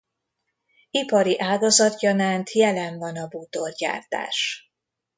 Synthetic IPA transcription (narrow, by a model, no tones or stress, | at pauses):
ipɒɾiʔaːɡɒzɒt̪jɒnaːnt̪jɛlɛɱvɒnɒbut̪orɟa̰ːrt̪a̰ːʃ